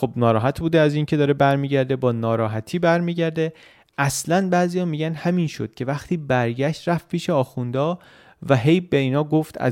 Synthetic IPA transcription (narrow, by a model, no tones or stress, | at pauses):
xobnɒːɾɒːɦæt̪ʰbuːd̪eæziːncʰe̞d̪ɒːɾebæɾmiːɟæɾd̪e̞bɒːnɒːɾɒːɦæt̪ʰiːbæɾmiːɟæɾd̪e | ʔæslænbæːziːjɒːmiːɟænd̪hæmiːnʃod̪̥cʰe̞væxt̪ʰiːbæɾɟæʃt̪ɾæft̪pʰiːʃeɒːxund̪ɒː | væɦe̞jbe̞iːnɒːɡoft̪æ̰